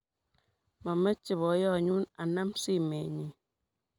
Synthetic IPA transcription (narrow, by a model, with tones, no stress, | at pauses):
mɔ˨mɛ˦t͡ʃi˨βɔ˨˦jɔ˦˨ɲu˦na˨na˦msi˦me˨ɲi˨